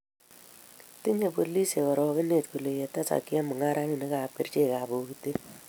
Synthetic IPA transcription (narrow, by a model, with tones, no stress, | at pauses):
tɪ˦ɲe˨po˨li˦se˨kɔ˨ɾɔ˨kɪ˦ne˨tko˨le˨je˨ta˦sa̰˨kːɪ˦a˦mʊ˨ŋa˦ɾa˦ŋi˨ne˦ka˨p̚ke˨rt͡ʃe˦˨ka˨bo˨ki˦te˦